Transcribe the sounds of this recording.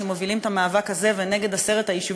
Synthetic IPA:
emovilimet̪amaːvakhaze̞veneɡe̞d̪ase̞ʁe̞t̪hajiʃu

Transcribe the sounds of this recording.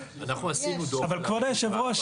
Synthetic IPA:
anaχnuasinud̪oavalkvaʁd̪ajʃevʁoaʃ

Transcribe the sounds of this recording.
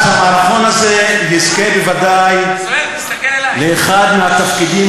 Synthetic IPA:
aaɾaχo̞naze̞jizke̞bevad̪aj | leːχad̪meat̪afkid̪i

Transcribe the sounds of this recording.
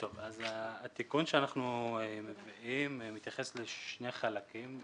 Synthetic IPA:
t̪o̞vazaːt̪ikunʃeanaχnuemeviimmit̪jaχe̞sleʃnejχalakim

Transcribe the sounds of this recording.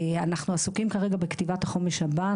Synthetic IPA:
anaχnuasukimkaʁeɡabekt̪ivat̪haχo̞meʃhaba

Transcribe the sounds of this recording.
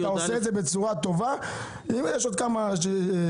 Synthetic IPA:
t̪aoseːdzebe̞t͡suʁat̪o̞va | imjeʃod̪kamaʃe

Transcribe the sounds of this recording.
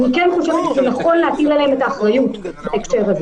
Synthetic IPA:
ikenχuʃavet̪evejaχo̞lːeatiɡlalehemetaːχʁajutbaekʃe̞ʁaze

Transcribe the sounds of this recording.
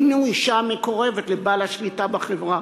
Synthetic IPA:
nuiʃamekoʁe̞vetlebalaʃlitabeχevʁa

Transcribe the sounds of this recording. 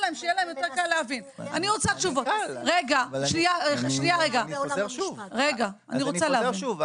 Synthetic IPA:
laemʃejelaemjoteʁkaleavinaniʁot͡saʃuvotʁeɡaʃniaʃnijaʁeɡauvʁeɡaaniʁot͡saleaviu

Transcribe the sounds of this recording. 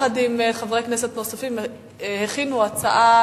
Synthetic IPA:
ad̪imχavʁeknese̞t̪nosafim | heχinuat͡saʔa

